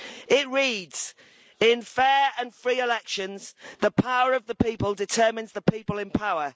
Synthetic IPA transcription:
ɪʔɹiːdz̥ | ɪ̃nfɛːɹə̃nfɹiːɪlɛkʃə̃nz̥ðəpʰaʊəɹəvðəpiˑpəlˠdɪtʰɜːmɪ̃nzðəpʰiˑpəlɪ̃npʰaʊə

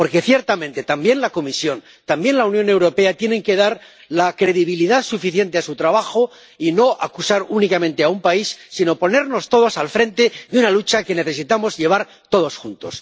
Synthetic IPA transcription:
po̞ɾke̞θje̞ɾt̪amẽ̞nt̪e̞t̪ambje̞nlako̞misjo̞n | t̪ambje̞nlaunjo̞ne̞wɾo̞pe̞at̪je̞ne̞ŋke̞ð̞aɾ | lakɾe̞ðiβ̞iliðaðsufiθje̞nt̪e̞asut̪ɾaβaxo̞ | ino̞ʔakusaɾunikamẽnt̪e̞aumpaisːino̞po̞ne̞ɾno̞st̪o̞ð̞osalfɾe̞nt̪e̞ðunalut͡ʃake̞ne̞θe̞sit̪amo̞zʎe̞β̞aɾ | t̪o̞ð̞o̞sxunt̪o̞s

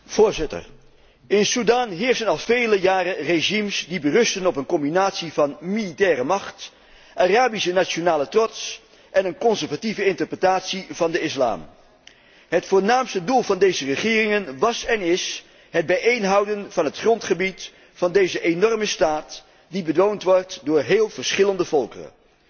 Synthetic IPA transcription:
v̥ʊːɹzɪtə̰ɹ | ɪnsudaːnɦɪːɹsənɑlˠvejləjaːrəreʒimsdibərɵstənɔpənkɔmbinaːtsivɑnmilitɛːrəmɑχt | ʔaraːbisənaːt͡ʃonaːlətrɔts | ʔɛnənkɔnsəɹvativəɪntəɹprətaːtsivɑndəɪsla̰ːm | ɦətfʊːɹnaːmstədulˠvɑndejzərəχɪːrɪŋənʋɑsɛnɪs | ɦəd̚bɛjʔejnɦʌwdənvɑnɦətχrɔntχəbit | fɑndejzəʔenɔrməstaːt | dibədʋowntʋɔɹtdʊːɹɦeːlˠvəɹsχɪləndəvɔlˠkə̰rə̰n

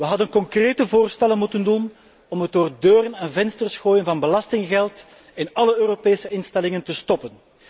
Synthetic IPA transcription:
ʋəɦɑdənkɔŋkreːtəvoːrstɛlənmutəndun | ɔmɦədoːrdøːɾənɛnvɛnstərsxoːjənvɑnbəlɑstɪŋɣɛlˠt | ɪnɑləøːɾopeːsəɪnstɛlɪŋəntəstɔpən

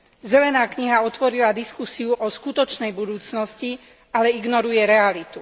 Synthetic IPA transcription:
zɛlɛnaːkɲiɦaɔt̪ʋɔɾilad̪iskusiuʔɔskut̪ɔt͡ʃnɛjbud̪uːt͡snɔsci | alɛiɡnɔɾujɛɾɛalit̪u

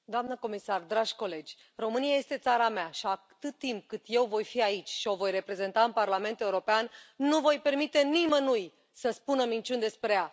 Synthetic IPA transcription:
d̪oamnəko̞misard̪ɾaʒʲko̞le̞d͡ʒʲ | ro̞mɨnijaje̞st̪e̞t̪saɾameaʃia | t̪ɨt̪ːimp̚kɨt̪je̞wvo̞jfiait͡ʃʲʃio̞vo̞jre̞pɾe̞ze̞nt̪aɨnparlame̞nt̪euɾo̞peannuvo̞jpe̞rmit̪e̞nimənuj | səspunəmint͡ʃund̪e̞spɾeja

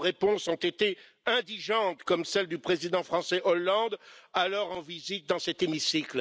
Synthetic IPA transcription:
ʁepɔ̃sɔ̃t̪et̪e | ɛ̃d̪iʒɑ̃t̪kɔmsɛld̪ypχezid̪ɑ̃fχɑ̃sɛʔɔlːɑ̃d̪alɔʁɑ̃vizit̪̚d̪ɑ̃sɛt̪emisikl

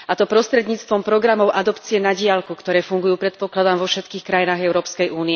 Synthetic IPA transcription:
at̪ɔpɾɔst̪ɾɛd̪ɲiːt͡st̪ʋɔmpɾɔɡɾamɔʊʔad̪ɔpt͡siɛnaɟɪalkukt̪ɔɾɛːfuŋɡujuːpɾɛt̪̚pɔklad̪amʋɔfʃɛt̪kiːxkɾajinaːɣɛʊɾɔːpskɛjʔuːnɪɛ

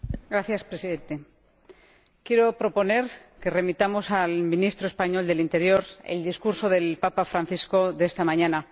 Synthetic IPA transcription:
ɡɾaθjaspɾe̞siðe̞nt̪e̞ | kje̞ɾo̞pɾo̞po̞ne̞ɾke̞re̞mit̪amo̞salmĩnist̪ɾoespaɲo̞ld̪e̞lint̪e̞ɾjo̞ɾḛld̪iskuɾso̞ðe̞lpapafɾanθisko̞ðeest̪amãɲãna

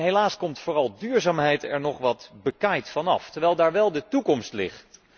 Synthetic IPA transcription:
ɦelaːskɔmtfʊːrɑlˠdyːɹzaːmɦɛjtɛ̰ɹnɔχʋɑtbəkajtfɑnɑftəɹʋɛjlˠdaːɹʋɛlˠdətukɔmstlɪ̰χt

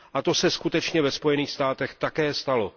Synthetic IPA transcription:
ʔat̪o̞sɛskut̪ɛt͡ʃɲɛvɛspo̞jɛniːxst̪aːt̪ɛxt̪akɛːst̪alo̞

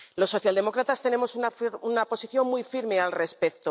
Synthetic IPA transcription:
lo̞sːo̞θjald̪emo̞kɾat̪ast̪e̞ne̞mo̞sunaunapo̞siθjo̞ŋmujfiɾme̞alre̞spekt̪o

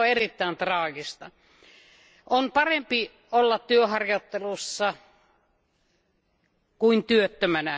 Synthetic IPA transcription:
oerit̪ːæint̪rɑːɡist̪ɑ | ʔonpɑrempi | olːɑt̪tyøhɑrjot̪ːelusːɑ | kuint̪yøt̪ːømænæ

